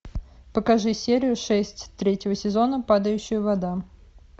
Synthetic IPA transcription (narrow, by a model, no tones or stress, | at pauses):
pəkɐʐɨsʲeɾʲɪjʊʂɛsʲtʲt̪ɾʲetʲɪvəsʲɪzo̞nəpad̪əjʉɕːɪjʊvɐd̪a